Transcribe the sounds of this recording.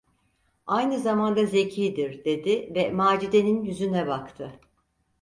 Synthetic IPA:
ajnɯzamand̪aze̞cʰiːd̪iɾd̪e̞d̪ivɛmaːd͡ʒid̪e̞ninjyzynɛbakt̪ʰɯ

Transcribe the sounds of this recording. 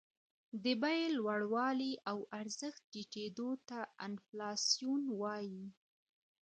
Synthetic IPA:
d̪əbajelwaɽwɑliʔawaɾzəxt̪̚ʈiʈed̪ot̪aɪ̰nflɑsijunwɑji

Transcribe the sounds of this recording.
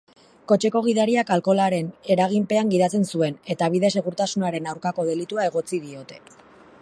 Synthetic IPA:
ko̞t͡ʃe̞ko̞ɣ̞iðaɾiakalko̞laɾe̞ne̞ɾaɣ̞impe̞aŋɡið̞at͡se̞nsue̞ne̞t̪aβiðe̞s̬e̞ɣ̞uɾt̪asunaɾe̞nawɾkako̞ð̞e̞lit̪uae̞ɣo̞t͡sið̞io̞t̪e̞

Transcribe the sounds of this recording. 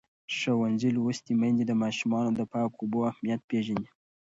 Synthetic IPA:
ʃawanzilwust̪imand̪id̪əmɑʃumɑnod̪əpɑkoboahmijat̪̚peʒani

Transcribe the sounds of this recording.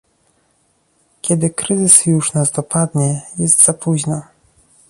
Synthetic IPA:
kʲɛd̪ɘkɾɘzɘsjuʂnazd̪ɔpad̪ɲɛjɛst̪z̥apuʑna

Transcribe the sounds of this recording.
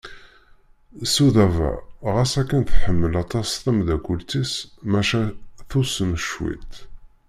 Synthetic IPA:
suðævæ̰ʁæsækːænθħəmːəlɑt̪ˤɑsθəmðækʷult͡s̪ismæʃæθusənʃwḭt̪

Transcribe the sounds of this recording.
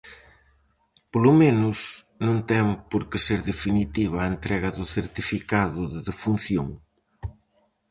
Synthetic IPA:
polʊmenʊs | nõnt̪ɛŋpoɾkɪseɾðefinit̪iβɐːent̪ɾɛɣɐðʊθeɾt̪ifikaðʊðɪðefun̟θjo̰ŋ

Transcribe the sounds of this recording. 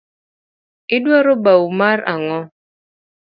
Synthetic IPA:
idwaɾobawumaɾa̰ŋɔ

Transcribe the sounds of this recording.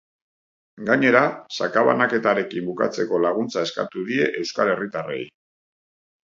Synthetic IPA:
ɡaɲe̞ɾasakaβa̰nake̞t̪aɾe̞kimbuka̰t͡se̞ko̞laɣ̞unt͡sae̞ska̰t̪uðie̞ʔe̞wskale̞rit̪are̞̰j

